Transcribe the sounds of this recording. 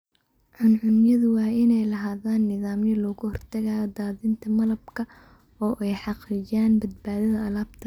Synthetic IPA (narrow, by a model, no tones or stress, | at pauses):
ʕʊnʕʊnjɐðʊwɑːɪnɛjlɐɦaːðaːnːɪðaːmjɐlɔːɣʊhɔrt̪ʰɐɣaːd̪aːðɪnt̪ʰɐmɐlɐbkʰɐ | ɔːʔɛjħɑqɪjaːnbɐd̪̚baːðɐðɐːlaːbt̪ʰɐ